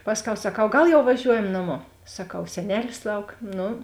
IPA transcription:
ˈpɑːsʲˌkʲɛʊ sɐˈkɐʊ ˈɡɐlˠ jɛʊ ʋɐˈʒʲuɔjɛm nɐˈmoː sɐˈkɐʊ sʲɛˈnʲæːlʲɪs ˈlˠɐʊk ˈnʊ

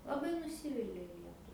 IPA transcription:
lˠɐˈbɐɪ nʊˈsʲiːʋʲɪlʲɛ ˈlʲiɛtʊ

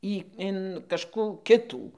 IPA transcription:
ˈiː ɪn kɐʃˈkuː ˈkʲɪtuː

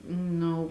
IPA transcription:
ˈnʊ

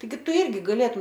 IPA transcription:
tɐɪˈɡʲɪ ˈtʊ ˈɪrʲɡʲɪ ɡɐˈlʲeːtʊm

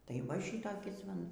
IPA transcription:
tɐɪ ʋɐ ˈʃʲiːtoːkʲɪs ʋɐ ˈnʊ

